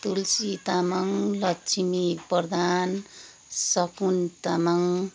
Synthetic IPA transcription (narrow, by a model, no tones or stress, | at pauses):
t̪ulsit̪amaŋlʌt͡sʰimipʌrd̪ʱan | sʌkunt̪amaŋ